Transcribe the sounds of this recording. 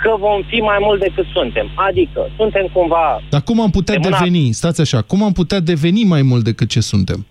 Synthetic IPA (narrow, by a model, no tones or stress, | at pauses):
kəvo̞mfimajmult̪̚d̪e̞kɨt̪sunt̪e̞mad̪ikə̰sunt̪e̞mkumvad̪akumamput̪ead̪eve̞nist̪at̪sʲaʃakumamput̪ead̪e̞ve̞nimajmult̪d̪e̞kɨt̪̚t͡ʃe̞sunt̪e̞m